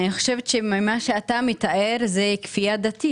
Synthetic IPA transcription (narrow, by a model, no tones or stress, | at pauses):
niχoʃevet̪ʃemimaʃeat̪amit̪aʔeʁzekfiad̪at̪i